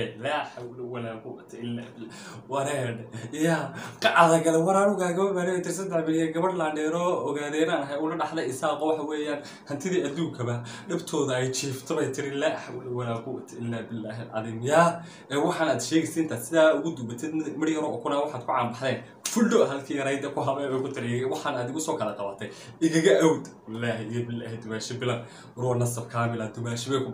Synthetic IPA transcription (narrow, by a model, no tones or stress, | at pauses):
laːħawlɛwɐlaːkʊwɐ̰t̪ʰɛɪlːaːbɪ | wɐɾɛɖɛjaːqɑʕɑðɐɡɐlɛwɐɾaːnʊɣaːɡɐβɐbaːnɛβɛjt̪ʰɪɾɪsɐd̪ɛħbɪɽɪjɛɡɐβɐɖlaːɳɖɛːɾɔːɔɣaːðɛɪnaːnɦɛʊlɐɖɑħd̪ɛɪsaːqɔwɑħɑwɛːjaːn | hɐnt̪ʰɪðiːɐd̪uːŋkʰɐβɐɖɐbt̪ʰɔːðʊɛjt͡ʃʰiːft̪ʰɔβɛjt̪ʰɪɾɪlaːħawlɛwɐlaːkʊwɐ̰t̪ʰɛʔɪlːaːbɪlːaːɦɛlʕɑ̰ðiːmjaː | ɛːwɑħɑːnaːd̪ʃɛːɣɛsɛɪnt̪ʰasɪðaːʊɣʊd̪ʊmbɐt̪ʰɛd̪mɪɽjɐɾɔʔʊkʰʊnaːwɑħaːd̪kʰʊʕɑːmbɑħðɛːn | fʊlɖɔɦɐlkʰiːjɐɾɐjd̪ɐkʰʊɦɐβɛjɛkʊt̪ʰɪɾɪɛɣɛwɑħɑːnaːd̪ɪɣʊsɔːkʰɐlɐq̪ɑwat̪ʰɛj | ɪɣɐɣɐʔawd̪ | ɪlːaːɦjɛbɪlːaːhɛd̪ʊmaːʃɛbɪlɐn | ɾʊːnɐsɐbkʰaːmɪlad̪ʊmaːʃɪβɛjkʰʊ